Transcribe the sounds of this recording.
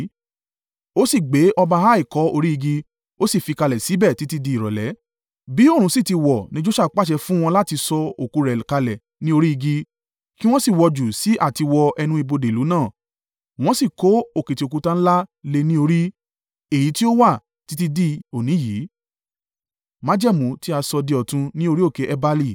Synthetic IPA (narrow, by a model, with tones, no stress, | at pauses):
o˦si˦˨ɡ͡be˨˦ʔɔ˧ba˧ɦa˦i˦˨kɔ˨˦o˧ɾi˦i˧ɡi˧ | o˦si˦˨fi˧ka˧lɛ˨si˨˦bɛ˦˨ti˦ti˧di˧˦i˨ɾɔ̰˨lɛ˨˦ | bi˨˦o˦˨ɾ̃ũ˧˦si˦˨ti˧wɔ˨nĩ˦d͡ʒo˦ʃa˦˨k͡pa˦ʃ̬ɛ˧fũ˦w̃ɔ̃˧la˦ti˧sɔ˧o˨ku˨˧ɾɛ˨ka˧lɛ˨ | nĩ˦o˧ɾi˦i˧ɡi˧ | ki˦w̃ɔ̃˦si˦˨wɔ˧d͡ʒu˨si˨˦ʔa˦˨ti˧wɔ˧ʔɛ˧nũ˦i˧bo˧de˨lu˨˦nãː˦˨ | w̃ɔ̃˦si˦˨ko˨˦o˦˨ke˨ti˨o˨k̬u˧tã˦˧n̩˦la˦le˧nĩ˦o˧ɾi˦ | e˦˨ji˨˦ti˦o˦wa˦˨ | ti˨˦ti˧di˧o˨nĩ˨˦ji˨˦ | mã˨˦d͡ʒɛ˦˨mũ˨˧˦ti˦a˧sɔ˧de˧ɔ˨tũ˧nĩ˦o˧ɾi˦o˦˨ke˨˦ʔɛ˧ba˧li˦˧˨